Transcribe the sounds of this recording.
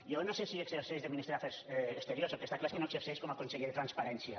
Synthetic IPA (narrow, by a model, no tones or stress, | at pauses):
jonosesiekseɾsezðeminist̪ɾeafeɾsest̪eɾjosokest̪aklaeskenoekseɾsejskomakonseɣiɾt̪ɾanspaɾɛnsja